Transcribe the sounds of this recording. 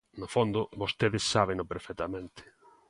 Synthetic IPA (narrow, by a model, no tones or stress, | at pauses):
nofond̪ʊβost̪eðɪsːaβenʊpeɾfɛt̪amẽnt̪ɪ̥